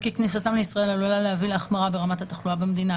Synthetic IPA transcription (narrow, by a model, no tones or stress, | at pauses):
kiknisat̪amleisʁae̞lalulaleavilaχmaʁabe̞ʁamat̪at̪aχluabemed̪ina